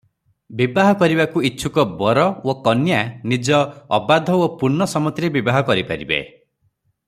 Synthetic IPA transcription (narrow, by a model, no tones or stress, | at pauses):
bibaɦɔkɔɾibakuitːʃʰukɔbɔɾɔokɔnjanid͡ʒɔːbad̪ʱɔopuɾnɔsɔmɔt̪ɾebibaɦɔkɔɾipaɾḭbḛ